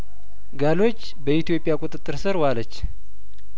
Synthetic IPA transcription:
ɡalo̞t͡ʃːbəʔit̪ijo̞pʼjakʼut̪ʼɨt̪ʼːɨɾsɨɾwalət͡ʃː

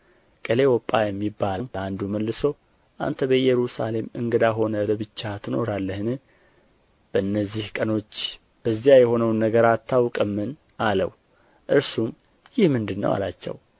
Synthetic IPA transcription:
kʼəle̞wɔpʼːajɛmːibːalmand̪uməlːɨsow | ʔa̰nt̪ʰəbəjɛɾusa̰le̞mɨ̰ŋɡəd̪aɦo̞nələbɨt͡ʃːat̪ʰɨno̞̰ɾalːəhɨnɨ | b̥əʔɨnːəzːihkʼəno̞t͡ʃː | b̥əzːijajɛho̞nəwnːəɡəɾat̪ʰːawkʼəmːɨn | alə̰w | ʔɨɾsum | jɪhmɨnd̪ɨnːə̰wa̰lat͡ʃːɛ̰w

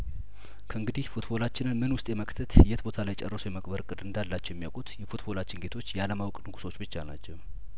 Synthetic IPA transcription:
kʰəɨŋɡɨd̪ihfut̪bo̞lat͡ʃːɪnɨnmɨnwʊst̪ʼjɛməkʼt̪ʰɨət̪ɨjːɛt̪bo̞t̪ʰalajt͡ʃʼɛ̰rːəsujɛməkʼbəɾkʼɨd̪ɨnd̪alːat͡ʃːɛwjɛmːijawkʼut̪jɛfut̪bo̞lat͡ʃːɪnɡe̞t̪ʰo̞t͡ʃːjɛaləmawkʼnɨɡuso̞t͡ʃːbɨt͡ʃːanat͡ʃːɛw

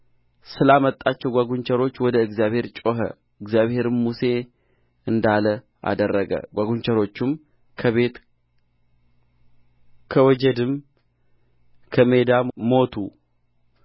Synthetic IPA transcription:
sɨlamət̪ʼːat͡ʃːɛwɡʷaɡuɲt͡ʃʰɛɾo̞t͡ʃːwɔd̪əɨɡzjaβhe̞ɾt͡ʃʼo̞ɦə̰ | ɨɡzjaβhe̞ɾɨmːuse̞ | ɨnd̪alə | ʔa̰d̪ərːəɡə̰ɡʷaɡuɲt͡ʃʰɛɾo̞t͡ʃːɪm | kʰəβe̞t̪ | kʰəwɔd͡ʒɛd̪ɨm | kʰəme̞d̪amo̞t̪ʰu

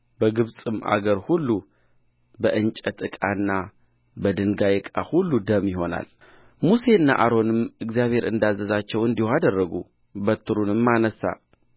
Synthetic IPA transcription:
bəɡɨβsʼɨma̰ɡəɾhulːu | bəʔɨnt͡ʃʼət̪ɨkʼanːa | bəd̪ɨnɡajkʼa̰hulːud̪əmjɪɦo̞na̰l | muse̞ɨnːa̰ʔaɾo̞nɨmɨɡzijaβhe̞ɾʔɨnd̪azːəzat͡ʃːɛwɨnd̪ihwad̪ərːəɡṵ | bət̪ʰːɨɾunɨmːanəsa̰

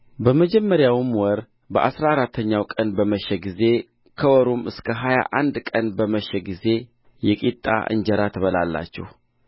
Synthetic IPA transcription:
bəməd͡ʒɛmːəɾjawɨmwɔɾ | bəʔa̰sɾaɾat̪ʰːəɲːawkʼənbəməʃɛɡize̞ | kʰəwɔɾumɨskʰəɦaja̰ʔand̪kʼənbəməʃɛɡize̞ | jɛkʼit̪ʼːa̰ʔɨ̰ɲd͡ʒəɾat̪ʰəβəla̰lːa̰t͡ʃːɛ̰h

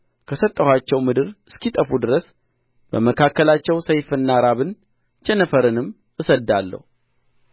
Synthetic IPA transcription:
kʰəsət̪ʼːəhʷat͡ʃːɛwmɨd̪ɨɾɨskit̪ʼəfud̪ɨɾəs | b̥əməkʰakːəlat͡ʃːɛwsəjfɨnːaɾaβɨn | t͡ʃɛnəfəɾɨnɨm | ʔɨsəd̪ːalːə̰hu

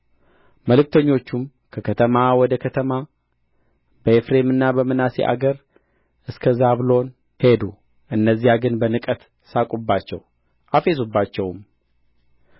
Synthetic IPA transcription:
məlɨk̚t̪ʰəɲːo̞t͡ʃːum | kʰəkʰət̪ʰəmawɔd̪əkʰət̪ʰəma | bəefɾe̞mɨnːabəmɨnasḛʔa̰ɡəɾ | ʔɨskʰəzaβlo̞n | he̞d̪u | ʔɨnːəzːijaɡɨnbənɨkʼət̪ | sakʼubːat͡ʃːɛ̰w | ʔafe̞subːat͡ʃːɛwm

